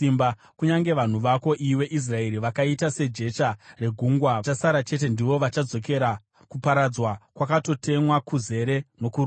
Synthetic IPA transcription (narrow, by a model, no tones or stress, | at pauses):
imba | kuɲaŋɡe̞ʋan̤uʋako̞ʔiwe̞ʔis̬rae̞ɾiʋakaitase̞d͡ʒe̞t͡ʃare̞ɡʱuŋɡwaasaɾat͡ʃe̞t̬e̞ndiʋo̞ʋat͡ʃad͡zo̞ke̞ɾa | kupaɾad͡zwakwakato̞tʰe̞mwakuze̞ɾe̞no̞kur